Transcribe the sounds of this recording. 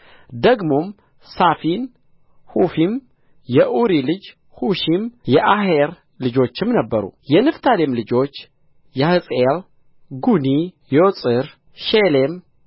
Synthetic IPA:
d̪əɡmo̞m | safin | hufim | jɛʔuɾilɨd͡ʒ | huʃimjɛʔaɦeɾ | lɨd͡ʒo̞t͡ʃːɪmnəbːəɾṵjɛnɨft̪ʰalemlɨd͡ʒo̞t͡ʃː | jahɨsʼel | ɡuni | josʼɨɾ | ʃelem

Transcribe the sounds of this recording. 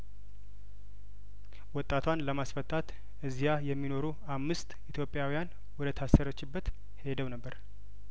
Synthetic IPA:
wɔt̪ʼːat̪ʰwanləmasfət̪ʰʼːat̪ | ʔɨzijajɛmːino̞ɾu | amːɨst̪it̪ʰjo̞pʼːjawijan | wɔd̪ət̪ʰasəɾət͡ʃːɪbːət̪ | he̞d̪əwnəbːəɾ

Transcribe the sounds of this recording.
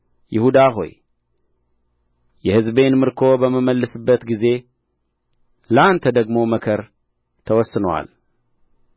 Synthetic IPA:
jɪhud̪aɦo̞̰j | jɛhɨzbe̞nmɨɾkʰo̞bəməməlːɨsɨbːət̪ɡize̞ | ləant̪ʰəd̪əɡmo̞məkʰəɾ | t̪ʰəwɔsːɨnəwa̰l

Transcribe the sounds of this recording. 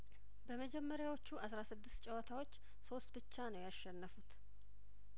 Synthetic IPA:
bəməd͡ʒɛmːəɾjawot͡ʃːuʔasɾasɨd̪ːɨst̪t͡ʃʼɛwət̪ʰawo̞t͡ʃː | so̞st̪bɨt͡ʃːanəwjaʃːɛnːəfut̪

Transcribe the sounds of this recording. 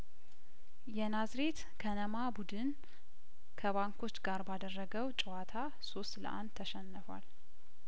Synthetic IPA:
jɛnazɾe̞t̪ | kʰənəmabud̪ɨn | kʰəβaŋkʰo̞t͡ʃːɡaɾbad̪ərːəɡəwt͡ʃʼɪwat̪ʰa | so̞st̪lə̰ʔa̰nd̪ʰːəʃɛnːəfa̰l

